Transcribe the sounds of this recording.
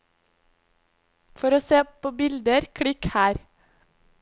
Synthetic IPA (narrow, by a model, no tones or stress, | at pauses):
fɔɾoːseːpʰoːbɪld̪əɾkʰɽɪkhæːɾ